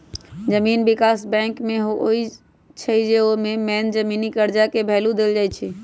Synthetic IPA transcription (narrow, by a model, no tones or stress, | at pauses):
d͡ʒəmiːnbɪkaːsbɛ̃ːŋkmeɦooi | t͡ʃʰəd͡ʒeomẽmɛːnd͡ʒəmiːnikəɾd͡ʒakebʱɛːlũd̪eld͡ʒajt͡ʃʰɛ